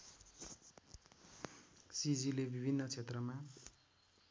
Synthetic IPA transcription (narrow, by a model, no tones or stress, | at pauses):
sid͡zilebibʱinːʌt͡sʰet̪rʌma